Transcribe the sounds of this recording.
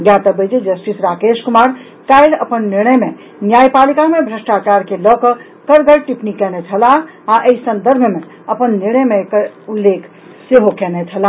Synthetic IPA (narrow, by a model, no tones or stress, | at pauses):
ɡjat̪əbəd͡ʒid͡ʒəsʈisɾakeskumaɾ | kailə̰pənːiɾñəjme | njajpalikamebʱɾəsʈat͡ʃaɾkelɔkə | kəɾɡəɾʈipnikɛnɛt͡ʃʰəla | aʔəisənd̪əɾbʱme | əpənːiɾɽ̃əjmekulːekʰ | seɦokɛnɛt͡ʃʰəla